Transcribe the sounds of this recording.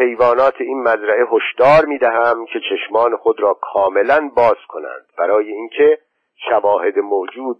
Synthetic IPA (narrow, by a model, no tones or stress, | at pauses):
he̞jvɒːnɒːt̪ʰeiːnmæzɾæʔeɦoʃd̪̥ɒːɾmiːd̪æɦæmcʲʰe̞t͡ʃʰeʃmɒːnexod̪ɾɒːkʰɒːme̞lænbɒːz̥kʰonæ̰nd̪̥bæɾɒːjeiːncʰe̞ | ʃævɒːhe̞d̪emoːd͡ʒuːd̪̚